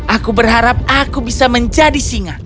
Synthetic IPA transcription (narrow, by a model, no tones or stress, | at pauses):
ʔakubərɦaɾap̚akubisaməɲd͡ʒadisiŋa